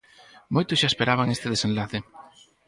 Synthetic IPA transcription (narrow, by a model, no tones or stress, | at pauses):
mojt̪ʊsʃaespeɾaβ̞aŋest̪eðesenlaθe